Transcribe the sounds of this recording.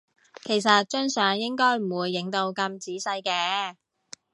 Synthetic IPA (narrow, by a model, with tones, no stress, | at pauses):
kʰe˨˩jsɐ˨t̚t͡ʃɵ˥ŋsœː˨ŋjɪ˥ŋkɔː˥jm̩˨˩wuː˨˧jːɪ˨˥ŋt̪o˧wkɐ˧mt͡siː˨˥sɐ˧jkɛː˧